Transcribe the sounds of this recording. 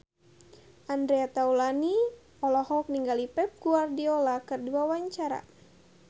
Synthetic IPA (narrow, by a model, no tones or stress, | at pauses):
ʔandɾeat̪aulani | ɔlɔhɔk̚niŋɡalipɛp̚ɡuardiolakɨrduawaɲt͡ʃaɾa̰